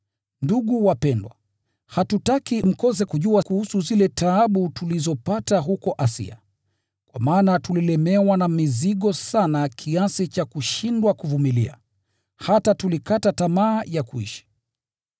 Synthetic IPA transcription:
nduɠuwapɛndwa̰ | hatutakim̩kɔzɛkuʄuakuhusuzilɛtʰaaɓutulizɔpataɦukɔʔasḭa̰ | kwa̰maːnatulilɛmɛwanamiziɠɔsanakʰiasit͡ʃakuʃindwakuvumilia̰ | hatatulikatatamaːjakuḭʃi̥

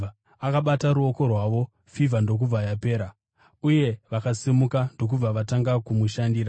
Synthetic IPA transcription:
akaɓataɾuo̞ko̞rwaːʋo̞ | fivʱando̞k̬ub͡vajape̞ːɾa | uje̞ʋakasimukando̞k̬ub͡vaʋataŋɡakumuʃandiːɾa

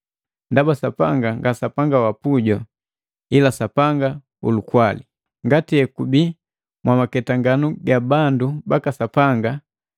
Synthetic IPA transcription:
ndabasapaŋɡaŋɡasapaŋɡawapuɟɔ | ilasapaŋɡa | ṵlukwali | ŋɡatijɛkubi | mwamakɛtaŋɡanuɡabandubakasapaŋɡa

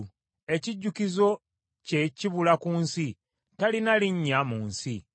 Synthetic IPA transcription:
e̞ciɟːukizo̞ | ce̞ciβulakuːnsi | talinaliɲːamuːnsi

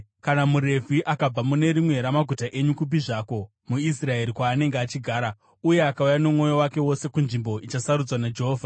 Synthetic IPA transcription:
kanamuɾe̞vʱiʔakab͡vamune̞ɾimwe̞ɾamaɡʱutaʔe̞ɲukup̬iʐaːko̞ | muis̬rae̞ɾikwaːne̞ŋɡeat͡ʃiɡʱaːɾa | uje̞akaujanomo̞jo̞wake̞wo̞se̞kunʐimbo̞ʔit͡ʃasaɾud͡zwanad͡ʒeɦoːvʱa

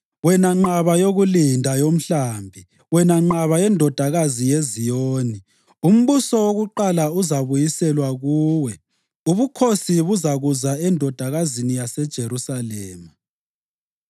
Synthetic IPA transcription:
wɛnaŋ͡ǃaβajoɣulindʱajom̩ɬaːmbʱi | wɛnaŋ͡ǃaβajɛndʱɔd̥ʱaɣazijezijoːni | um̩βusɔwoɣuǃalauzaβujisɛlwaɣuːwɛ | uβukʰosiβuzaɣuzaɛndʱɔd̥ʱaɣazinijasɛd̥ʒ̥ʱeɾusalɛːma

